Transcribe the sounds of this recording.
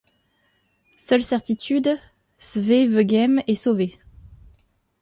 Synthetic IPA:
sœlsɛʁt̪it̪ʰyd̪ | svevəɡɛmɛsove

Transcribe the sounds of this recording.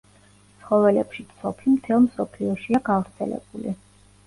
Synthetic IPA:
t̪sʰχɔvɛlɛpʃit̪sʰɔpʰimt̪ʰɛlˠmsɔpʰliɔʃiaɡavɾt̪sʰɛ̰lɛ̰b̥uli

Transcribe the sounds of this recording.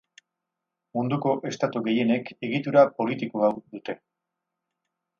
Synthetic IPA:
mund̪uko̞ʔe̞st̪at̪uɣe̞je̞ne̞ke̞ɣit̪uɾapo̞lit̪ikoawd̪ut̪e̞

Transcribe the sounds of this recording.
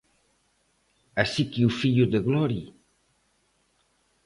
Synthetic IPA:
asikiufiʎuðəɣlɔɾi

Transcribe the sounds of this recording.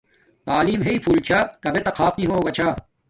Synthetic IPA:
t̪aːliːmɦeipʰuːlt͡ɕʰakɐbʱet̪ɐkʰaːpnĩɦoːoːɡaːt͡ɕʰa

